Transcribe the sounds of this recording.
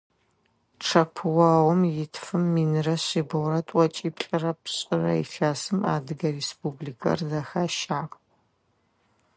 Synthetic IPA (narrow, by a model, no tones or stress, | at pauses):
ʈ͡ʂʰɐpʰɨwaːwɔmjɪtʰfɨmːiːnɨrɐɕiːbɨwɾɐtʷʼɔt͡ʃʼiːpɬʼɨrɐpʰɕʼɪrɐ̰ḭɬaːsɨma̰ːdɨɡɐrespublikʰɐ̰rzɐxaːʃaːqʼ